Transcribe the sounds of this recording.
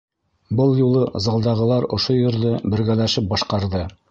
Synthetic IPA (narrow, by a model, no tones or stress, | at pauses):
bɤlˠjulˠɤzɑlˠd̪ɑʁɤ̆lˠɑɾŏʃojŏɾðɤbɘ̆ɾɡælæʃɘp̚bɑʃqɑɾðɤ